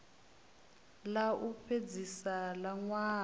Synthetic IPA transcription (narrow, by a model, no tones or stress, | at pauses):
laʔupʰed͡zisalaŋwaː